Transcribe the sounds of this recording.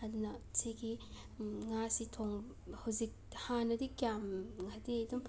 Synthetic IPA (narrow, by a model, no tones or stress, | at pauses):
ɐdunɐsʰeɡi | ŋasitʰoŋ | hawzik̚hanɐdikjamŋadedumpʰ